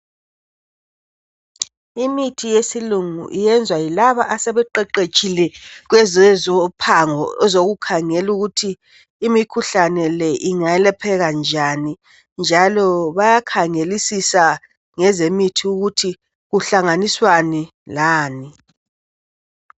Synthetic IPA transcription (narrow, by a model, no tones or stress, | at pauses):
imitʰijesiluŋṵʔijɛnd͡zʱwajilaβaʔasɛβɛǃɛǃet͡ʃʼilɛɣ̬wɛzɛzɔpʰaŋɔɛzoɣukʰaŋɛluɣutʰiː | mikʰuɬanɛlɛʔiŋaɛlɛpʰɛɣand͡ʒʱani | nd͡ʒʱalɔβajakʰaŋelisisa | ŋɛzemitʰiuɣutʰi | ɣuɬaŋaniswani | laːni